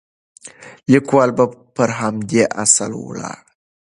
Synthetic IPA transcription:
likwalbapəɾɦamd̪eʔa̰salw̰ɭa̰

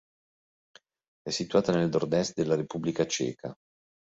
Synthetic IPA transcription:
ɛsːit̪uaːt̪anelnord̪ɛst̪̚d̪elːaɾepubːlikat͡ʃɛ̰ːkʰa̰

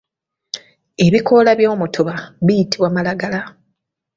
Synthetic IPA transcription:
e̞βiko̞ːlaβjo̞ːmutʰoβaβijitiβwamalaɡala

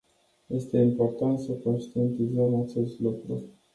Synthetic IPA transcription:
je̞st̪e̞impo̞rt̪ant̪səko̞nʃt̪ient̪izəmat͡ʃe̞st̪lukɾu

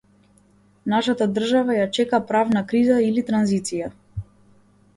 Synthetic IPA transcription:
naʃat̪ad̪r̩ʒavajat͡ʃɛkapɾavnakɾizailit̪ɾanzit̪sija

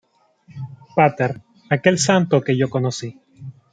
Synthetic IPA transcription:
pat̪eɾ | ake̞lsant̪o̞keʝoko̞nosi

